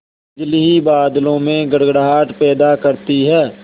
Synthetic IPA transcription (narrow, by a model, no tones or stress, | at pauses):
ɪd͡ʒliɦibaːd̪lõmẽɡəɽɡɽaːʈpɛːd̪akəɾt̪iɦɛː